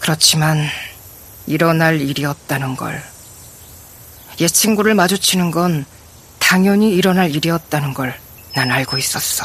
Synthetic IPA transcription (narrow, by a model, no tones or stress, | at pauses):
kɯɾʌt͡ɕʰiman | iɾʌnaɾiɾiʌt̚t͈anɯnɡʌ̰ɭ | je̞t͡ɕʰiŋɡuɾɯɭmad͡ʑut͡ɕʰinɯnɡʌn | taŋjʌɲiːɾʌnɦaɾiɾiʌt̚t͈anɯnɡʌɭ | nanaɭɡois͈ʌs͈ʌ̥